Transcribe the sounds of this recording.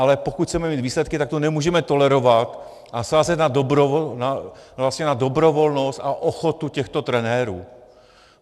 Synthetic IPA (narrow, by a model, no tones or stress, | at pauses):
ʔalɛpo̞kut̪t͡sɛmɛmiːt̪viːslɛt̪kɪt̪ak̚t̪onɛmuːʒɛmɛt̪o̞lɛɾo̞vat̪ | ʔasaːzɛt̪nadobɾonavlast̪ɲɛnadobɾo̞vo̞lno̞st̪aʔoxo̞t̪ucɛxt̪o̞t̪ɾɛnɛːɾṵː